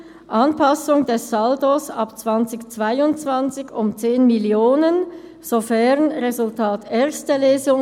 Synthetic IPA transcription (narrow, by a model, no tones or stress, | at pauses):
ʔɑnpʰɑsʊŋdɛsːaldosɑpt͡sv̥ɑnt͡sɪçt͡sv̥aɪʊnt͡sv̥ant͡sɪçʊmt͡seːnmiljoːnən | z̥ofɛʁnʁezʊltʰaːteːɐstəleːzʊŋ